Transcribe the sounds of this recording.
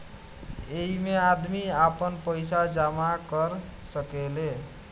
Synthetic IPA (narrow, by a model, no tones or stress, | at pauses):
eɦimead̪miapənpəjsad͡ʒamakəɾ | səkele